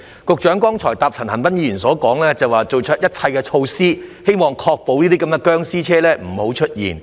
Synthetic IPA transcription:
kʊ˨k̚t͡ʃœː˨˥ŋkɔː˥ŋt͡ʃʰɔː˨˩jt̪aː˨p̚t͡sʰɐ˨˩nhɐ˨˩npɐ˥njiː˧˨iː˨˩nsɔː˨˥kɔː˨˥ŋlɛː˥t͡sɐ˨waː˨˩t͡so˨wt͡ʃʰɵ˥t̚jɐ˥t̚t͡sʰɐ˧jkɛ˧t͡ʃʰo˧wsiː˥he˥jmɔː˨˩ŋkʰɔː˧k̚po˨˧wniː˥t̪iː˥kɐ˨˥mkɛ˧kœː˥ŋsiː˥t͡ʃʰɛː˥lɛː˥m̩˨˩ho˨˥wt͡ʃʰɵ˥t̚jḭː˨n

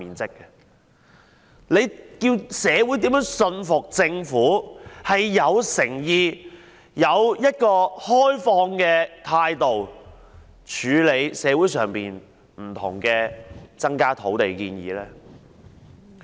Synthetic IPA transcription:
iː˨˩nt͡sɪ˥kːɛ˧ | le˨˧jkiː˧wsɛː˨˧wu˨˥jt̪i˨˥mjœː˨˥ŋsɵ˧nfʊ˨k̚t͡sɪ˧ŋfuː˨˥hɐ˨jːɐ˨˧wsɪ˨˩ŋjiː˨˧ | jɐ˨˧wjɐ˥t̚kɔː˧hɔː˥jfɔː˧ŋkɛː˧t̪ʰaː˧jt̪o˨w | t͡ʃʰyː˨˧le˨˧jsɛː˨˧wuː˨˥jsœː˨ŋpiː˨n | m̩˨˩t̪ʰʊ˨˩ŋkɛː˧t͡sɐ˥ŋkaː˥t̪ʰo˨˥wt̪e˨jkiː˧njḭː˨˥lɛː˥

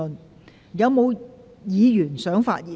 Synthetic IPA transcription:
ɵ˨n | jɐ˨˧wmo˨˧w | jiː˨˧jyː˨˩nsœː˨˥ŋfa̰ː˧t̚jiː˨

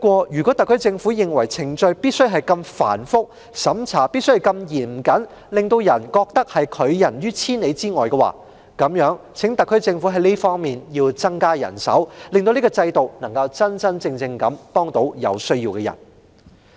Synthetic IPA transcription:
kwɔː˧jyː˨kɔ˨˥t̪ɐ˨kʰːɵ˥ɥt͡sɪ˧ŋfuː˨˥jɪ˨ŋwɐ˨˩jt͡sʰɪ˨˩ŋt͡ʃɵ˧ɥpiː˥t̚sɵ˥ɥɦɐ˨jkɐ˧mfa̰ː˨˩nfʊ˥k̚ | sɐ˨˥mt͡sʰaː˨˩piː˥t̚sɵ˥jkɐ˧mjiː˨˩nm̩˨˩kɐ˨˥n | lɪ˨˩ŋt̪o˧wjɐ˨˩nkɔː˧k̚t̪ɐ˥k̚hɐ˨jkʰɵ˨˧ɥjɐ˨˩njyː˥t͡sʰiː˥ne˨˧jt͡siː˥ŋɔː˨˩jkɛ˧wa̰ː˨˩ | kɐ˨˥mjœː˨˥ŋ | t͡sʰɪ˨˥ŋt̪ɐ˨kʰːɵ˥ɥt͡sɪ˧ŋfu˨˥ɦɐ˨˥jniː˥fɔː˥ŋmiː˨˩njiː˧wt͡sɐ˥ŋkaː˥jɐ̰˨˩nsɐ̰˨˥wlɪ˨ŋt̪o˧wni˥kɔ˧t͡sɐ˧jt̪o˨wnɐ˨˩ŋkɐ˧wt͡sɐ˥nt͡sɐ˥nt͡sɪ˧ŋt͡sɪ˧ŋkɐ˨˥mpɔː˥ŋt̪o˨˥wjɐ̰˨˧wsɵ˥ɥjiː˧wkɛː˧jɐ̰˨˩n

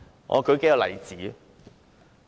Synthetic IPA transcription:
ŋɔ̰˨˧kʰɵ˨˧ke˧˥ja˨˧lɐ̰˨˩jt͡siː˨˥

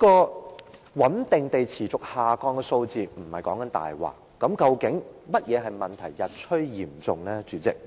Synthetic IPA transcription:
kɔː˧ | wɐ˨˥nt̪ɪ˨ŋt̪e˨jt͡sʰiː˨˩t͡sʊ˨k̚haː˨kɔː˧ŋkɛː˧so˧wt͡siː˨m̩˨˩hɐ˨jkɔː˨˥ŋkɐ˨˥nt̪a̰ː˨jwa̰ː˨˩kːɐ˨˥mkɐ˧wkɪ˨˥ŋmɐ˥t̚jɛː˨˧ɦɐ˨jmɐ˨nt̪ʰɐ˨˩jːɐ˨t̚t͡ʃʰɵ˥ɥjiː˨˩mt͡sʊ˨ŋnɛː˥t͡ʃyː˨˥t͡sɪ̰˨k̚

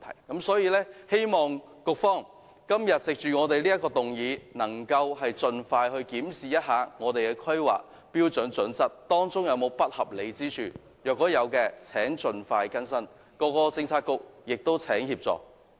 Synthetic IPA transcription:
t̪ʰɐ̰˨˩jkɐ˨˥msɔː˨˥jiː˧lɛː˥he˥jmɔː˨ŋ | kʊ˧k̚fɔː˥ŋ | kɐ˥mjɐ˨t̚t͡sɪ˨k̚t͡ʃyː˨ŋɔː˨˧t̪e˨jliː˥jɐ˥kːɔː˧t̪ʊ˨˩ŋjiː˨˧nɐ˨˩ŋkɐ˧whɐ˨jt͡sɵ˨nfaː˧jhɵ˧ɥkiː˨˥msiː˨jɐ˥t̚haː˨˧ŋɔː˨˧t̪e˨jkɛː˧kʰɵ˥ɥwa̰ː˨k̚ | piː˥wt͡sɵ˨˥nt͡ʃɵ˨˥nsɐ˥t̚t̪ɔː˥ŋt͡sʊ˥ŋjɐ˨˧wmo˨˧wpɐ˥t̚hɐ˨p̚le˨˧jt͡siː˥t͡ʃʰy̰ː˨˩ | jœː˨kːɔː˨˥jɐ˨˧wkɛː˧t͡sʰɛː˨˥ŋt͡ʃɵ˨nfaː˧jkɐ˥nsɐ˥n | kɔː˧kɔː˧t͡sɪ˧ŋt͡sʰaː˧t̚kʊ˧k̚jɪ˨k̚t̪o˥wt͡sʰɛː˨˥ŋhiː˧p̚t͡sɔ̰ː˨k̚

